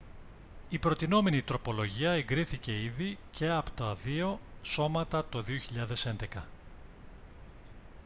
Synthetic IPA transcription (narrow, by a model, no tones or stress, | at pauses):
ipɾo̞t̪ino̞me̞nit̪ɾo̞po̞lo̞ʝiɐeŋɡɾiθice̞iðice̞ɐpo̥t̪ɐðio̞so̞mɐt̪ɐt̪o̞ðio̞çiʎɐðe̞send̪e̞kɐ